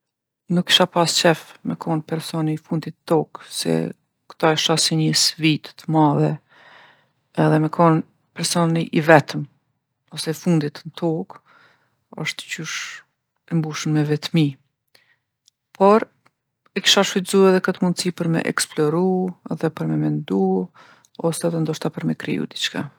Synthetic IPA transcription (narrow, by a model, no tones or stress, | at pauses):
nukːi̥ʃapast͡ʃɛfmɛkʰɔnpɛɾsɔnifund̪it̪t̪ɔksɛ̰ | kt̪ɔɛʃasɛɲəsvit̪t̪əmaðɛ | ɛðɛmɛkʰɔn | pɛɾsɔniʔivɛt̪əm | ɔsɛfund̪it̪nt̪ʰɔk | ɔ̰ʃt̪ə̥cuʃ | ɛmbuʃəmmɛvɛt̪mi | pʰɔɾ | ɛki̥ʃaʃfit̪zuɛðɛkət̪mund̪sipəɾmɛ̰ʔɛ̰ksplɔɾuɛðɛpəɾmɛmɛnd̪u | ɔsɛðɛnd̪ɔʃt̪apəɾmɛkɾḭṵd̪it͡ʃka̰